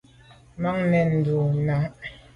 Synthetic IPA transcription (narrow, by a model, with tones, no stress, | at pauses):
ma˦ŋnɛ˨n̩˨du˨na˨